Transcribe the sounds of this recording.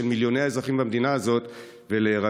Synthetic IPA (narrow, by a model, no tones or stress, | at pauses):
elmiljo̞ne̞jaezʁaχimbamed̪inaːzo̞t̪ | veleʁa